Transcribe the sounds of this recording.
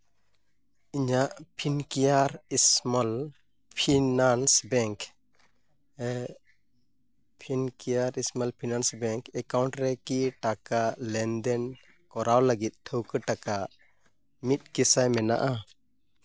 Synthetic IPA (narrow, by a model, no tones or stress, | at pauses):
iɲaʔpʰinkijaɾismal | pʰinansbɛŋk | pʰinkijaɾismalpʰinansbɛŋkɛkawɳʈɾɛkiʈakalɛnd̪ɛn | kɔɾawləɡit̪̚ˀt̪ʰəwkəʈaka | mit̪̚kisajmɛna̰ʔa